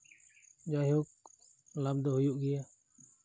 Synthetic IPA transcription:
d͡ʒajuk̚ | lab̚d̪ɔhujuʔɡɛja

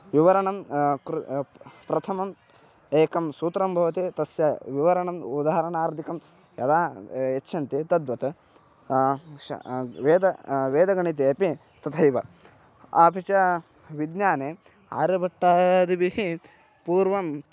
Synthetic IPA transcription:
ʋiʋɐɾɐɳɐmɾpɾɐt̪ʰɐmɐm | eːkɐmsuːt̪ɾɐmbʱɐʋɐt̪it̪ɐsjɐʋiʋɐɾɐɳɐmud̪aɦɐɾɐɳaːɾd̪ʱikɐm | jɐd̪aːet͡ʃːʃʰɐnt̪it̪ɐd̪ʋɐt̪ɐ | ʋeːd̪ɐʋeːd̪ɐɡɐɳit̪̬eɐpi | t̪ɐt̪ʰɐjʋɐ̰ | abʱit͡ʃɐ | ʋid̪njaːne | a̰ːɾɐbɐʈːaːd̪ibiɦi | puːɾʋɐm

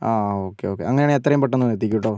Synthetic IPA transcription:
aːoːkːeoːkːḛɐŋːɐnejaːɳeet̪ːrɐjumpɐʈːɐnːuɾet̪̬ːikʲːuʈːo̞ː

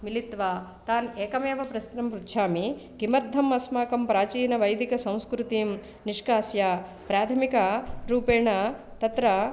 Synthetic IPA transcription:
milit̪ʋaːt̪aːneːkɐmeːʋɐpɾɐst̪ɾɐmɾut̪ːʃʰaːmiɡimɐɾd̪ʱːɐmɐsmaːkɐmpɾaːt͡ʃiːnɐʋɐjd̪ikɐsɐ̃w̃skɾut̪iːm | niʂkaːsjaː | pɾaːt̪ʰɐmikɐɾuːpeːɳɐt̪ɐt̪ɾɐ

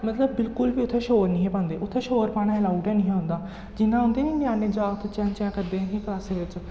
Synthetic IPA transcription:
mət̪ləbːɪlkʊlʋiːʊt̪ʰːẽːʃoːɾnĩːɦẽpãːnd̪eːʊt̪ʰːeːʃoːɾpaːɽ̃aːɛlaːuʈɛːnĩːãnd̪aː | d͡ʒɪnːãːɦʊ̃nd̪eːnĩːnjaːneːd͡ʒaːt̪ʰːt͡ʃɛ̃ːnt͡ʃãːkəɾd̪eːãɡĩːklaːseːʋɪt͡ʃ

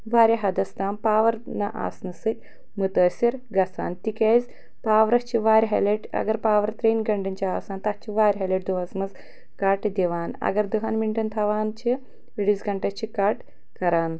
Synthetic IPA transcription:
ʋaːɾʲɐɦɐd̪ɐst̪aːmpaːʋɐɾnɐʔa̰ːsnɐsɨt̪̚ʲ | mut̪ɐːsʲiɾɡɐsa̰ːnt̪ikeːzʲ | paːʋɾɐht͡ʃʰiʋaːɾʲɦɐ̰leʈɐ̰ɡɐɾpaːʋɐɾt̪ɾeːnɡɐɳɖɐnt͡ʃʰiaːsaːnt̪ɐt͡ʃʰiʋaːɾʲɦɐleʈ̚d̪uʋasmɐz | kaːʈd̪iʋaːnɐ̰ɡɐɾd̪uɦɐːnmiɳʈɐnt̪ʰɐʋaːnt͡ʃʰi | eɽizɡɐɳʈɐt͡ʃʰikaːʈ | kɐɾaːn

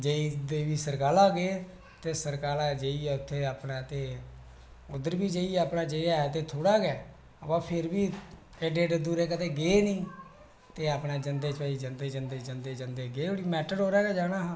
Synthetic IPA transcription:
d͡ʒeiːd̪eːʋiːsəɾkaːlaːɡeː | t̪eːsəɾkaːlaːd͡ʒeiːɛːʊt̪ʰːeːaːpɳaːt̪eː | ʊd̪əɾbiːd͡ʒeiɛːaːpɳaːd͡ʒeiaːɛːt̪eːt̪ʰoːɽaːɡɛː | əpãːpʰɪɾbiː | ɖeːɖd̪uːɾeːk̬ət̪eːɡeːnĩː | t̪eːaːpneːd͡ʒənd̪eːt͡ʃaːiːd͡ʒənd̪eːd͡ʒənd̪eːd͡ʒənd̪eːd͡ʒənd̪eːɡeːoɽiːmɛːʈəɖɦoːɾɛːɡɛːd͡ʒaːñaːɦː

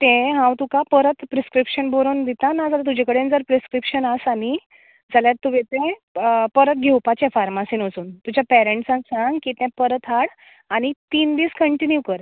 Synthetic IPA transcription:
t̪ẽɦãwt̪ũkapəɾət̪pɾeskɾipɕənboɾond̪it̪anad͡zalat̪̬ud͡ʑẽkəɽend͡zəɾpɾeskɾipɕənasani | d͡zaljat̪ːuʋẽt̪ẽpəɾət̪̚ɡʱewpat͡ɕẽfaɾmasinʋəsuːnt̪ud͡ʑapɛɾeɳʈsãŋɡsãŋɡkit̪ɛ̃pəɾət̪ɦaɽ | añit̪iːnd̪iːskəɳʈinjukəɾ

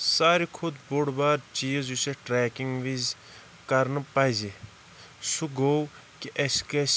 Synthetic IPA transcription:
saːɾikʰud̪boɽbaːɾt͡ʃiːzuseʈɾeːkiŋɡʋiz | kɐɾnpajzi | suɡow | kiʔɐskes

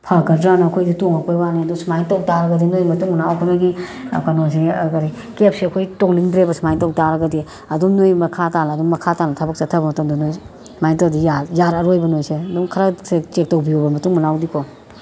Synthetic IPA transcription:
pʰaɡɐɾdɾanɐɐkʰojditoŋɐkojwaniɐdusmajntowtaɾɐɡɐdinojmɐtuŋmunawkʰunojɡḭkanosekaɾi | kep̚seɐkʰojtoŋliŋdɾebɐsmajntɐwtaɾɐɡɐdi | ɐduŋnojmɐkʰatanɐːduŋmɐkʰatanɐtʰɐbɐk̚t͡ʃɐtʰɐbɐmɐtɐmdɐnoj | smajntawdijajaɾɐɾojbɐnojseɐduŋkʰɐɾɐset͡ʃek̚towbiobɐmɐtuŋmɐnawdikʰɔ

